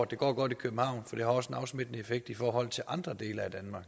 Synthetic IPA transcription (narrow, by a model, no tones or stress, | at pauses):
d̥e̝ɡ̥ɒ̰ːɡ̥ɒ̽d̥ikʰøb̥m̩hɑ̈ʊ̰nfɒ̽d̥e̝hɑ̈ɒ̽səenɑ̈ʊsmid̥nəefeɡ̥̚d̥ifɒːɦɒ̽l̰t͡sʰe̝lʔɑ̈nd̥ʁɐd̥e̝̰ːlɐæd̥ænmɑ̈ːɡ̥